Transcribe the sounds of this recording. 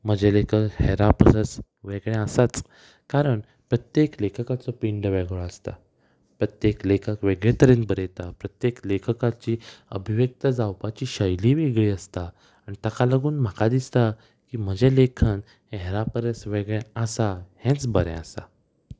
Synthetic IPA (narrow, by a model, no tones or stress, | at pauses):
m̤əd͡ʑelekʰəkheɾapəɾəs | ʋeɡɭɛ̃əsat͡s | kaɾəɳ | pɾət̪jeklekʰəkat͡sɔpiɳɖʋeɡɭɔəst̪a̰ | pɾət̪jeklekʰəkʋeɡɭet̪əɾĩːnbəɾet̪apɾət̪jeklekʰəkat͡ɕiːə̰bʱiʋjək̚t̪əd͡zawpat͡ɕiːɕəjliʋeɡɭiːəst̪aː | ɽ̃it̪akaləɡuːnm̤akad̪ist̪a | kiːm̤əd͡ʑelekʰan | ɦeɾapəɾəsʋeɡɭɛəsahɛ̃t͡sbəɾɛ̰̃əsa̰